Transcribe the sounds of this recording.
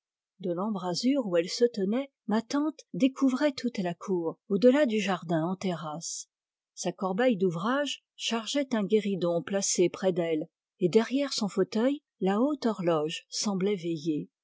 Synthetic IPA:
d̪əlɑ̃bʁazyʁuɛlsət̪ənɛ | mat̪ɑ̃t̪d̪ekʰuvʁɛt̪ʰut̪lakʰuːʁod̪əlad̪yʒaʁd̪ɛ̃ɑ̃t̪eʁas | sakɔʁbɛjd̪uvʁaʒ | ʃaʁʒɛt̪ɛ̃ɡʲeʁid̪ɔ̃plasepχɛd̪ɛl | ed̪ɛʁjɛʁsɔ̃fot̪œj | laot̪ɔʁlɔʒsɑ̃blɛveje

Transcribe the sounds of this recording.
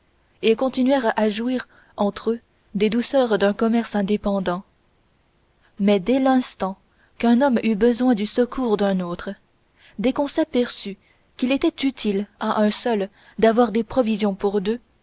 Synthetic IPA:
ekɔ̃t̪inɥɛʁaʒuiʁ | ɑ̃t̪χø | d̪ed̪usœʁd̪ɛ̃kɔmɛʁsɛ̃d̪epɑ̃d̪ɑ̃ | mɛd̪elɛ̃st̪ɑ̃ | kɛ̃nɔmybəzwɛ̃d̪ysəkʰuːʁd̪œ̃not̪χ | d̪ekɔ̃sapɛʁsy | kʲilet̪ɛt̪yt̪ʰilaʔɛ̃sœl | d̪avwaʁd̪epχɔvizjɔ̃puʁd̪ø

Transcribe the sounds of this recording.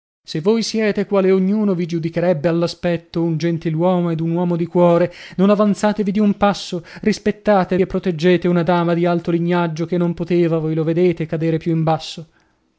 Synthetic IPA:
sevːojsjɛːt̪ekwaːleoɲːuːnovid͡ʒud̪ikeɾɛbːealːaspɛt̪ːound͡ʒent̪ilwɔːmoed̪unwɔːmod̪ikwɔːɾenonavant̪saːt̪evid̪iumpasːorispet̪ːaːt̪epːɾot̪ed͡ʒːeːt̪eunad̪aːmad̪ialt̪oliɲːad͡ʒːokenːompot̪eːvavojloved̪eːt̪ekad̪eːɾepjuimbasːo

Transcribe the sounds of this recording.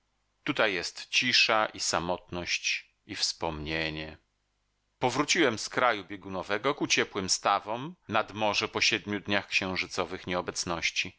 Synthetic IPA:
t̪ut̪ajːɛst̪t͡ɕiʂaʔisamɔt̪nɔɕt͡ɕ | ifspɔmɲeɲɛ | pɔvɾut͡ɕiwɛmskɾajubʲjeɡunɔvɛɡɔkut͡ɕɛpwɘmst̪avɔmnad̪mɔʐɛpɔɕɛd̪̚mʲjud̪ɲaxkɕɛ̃w̃ʐɘt̪sɔvɘxɲɛɔbɛt̪snɔɕt͡ɕi

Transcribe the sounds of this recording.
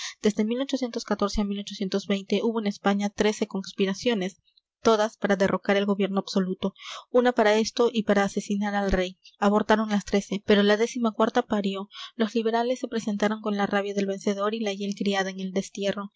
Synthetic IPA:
d̪̥e̞zðe̞milo̞t͡ʃo̞sje̞nt̪o̞skat̪o̞ɾse̞amilo̞t͡ʃo̞sje̞nt̪o̞zβe̞jnt̪e̞ʔuβo̞ene̞spaɲat̪ɾe̞se̞ko̞nspiɾasjo̞ne̞s | t̪o̞ðaspaɾaðerʔo̞kaɾe̞lɣo̞βje̞ɾno̞abso̞lut̪o̞unapaɾae̞st̪o̞ʔipaɾaːse̞sinaɾalre̞jaβo̞ɾt̪aɾo̞ŋlast̪ɾe̞se̞pe̞ɾo̞laðe̞simakwaɾt̪apaɾjo̞lo̞zliβ̞e̞ɾale̞sːe̞pɾese̞nt̪aɾo̞ŋko̞nlaraβjaðe̞lβe̞nse̞ð̞o̞ɾilaʝe̞lkɾiaðaeŋe̞ld̪e̞st̪je̞ro̞

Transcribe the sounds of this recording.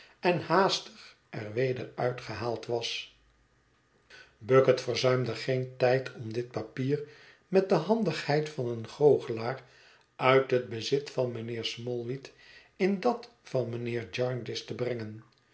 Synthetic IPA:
ɛnhaːstəχ | ʔɛɹʋejdəɹœɥtχəɦaːlˠtʋɑs | bøkətfəɹzœɥmdəχejntɛjtʰɔmdɪt̚papiːr | mɛt̚dəɦɑndəχhɛjtfɑnənχowχəlaːr | ʔœɥtɦəd̚bəzɪtfɑnmənɪːɹsmɔlˠʋit | ɪndɑt | fɑnmənɪːɹd͡ʒɑɹndɪstəbrɛŋən

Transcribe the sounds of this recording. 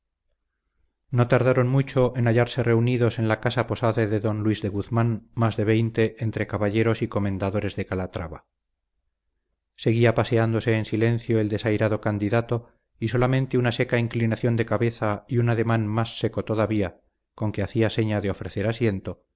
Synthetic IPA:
no̞t̪aɾðaɾo̞nmut͡ʃo̞ʔenaʝaɾse̞re̞uniðo̞se̞nlakasapo̞saðeðe̞ðo̞nlwizðe̞ɣuθmanmazðe̞β̞e̞jnt̪e̞ʔːnt̪ɾe̞kaβaʎe̞ɾo̞siko̞mẽ̞nd̪aðo̞ɾe̞zðe̞kalat̪ɾaβa̰ | se̞ɣ̞iapase̞and̪o̞se̞ːnsilẽ̞n̟θjo̞eld̪e̞sajɾaðo̞kand̪iðat̪o̞ | iso̞lamẽ̞nt̪eunase̞kaiŋklinaθjo̞nd̪e̞kaβe̞θaiunaðe̞mãnmasːe̞ko̞t̪o̞ðaβia | ko̞ŋkeaθiase̞ɲaðeo̞fɾe̞θe̞ɾasje̞nt̪o̞

